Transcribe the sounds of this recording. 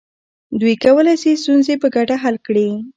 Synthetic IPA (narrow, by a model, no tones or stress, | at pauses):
d̪ujkawəlajsist̪unzepəɡaʈaɦalkɽi